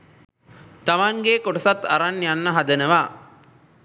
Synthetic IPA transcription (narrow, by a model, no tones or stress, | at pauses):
t̪amaŋɡekoʈəsat̪aɾanjanːəɦad̪ənəʋaː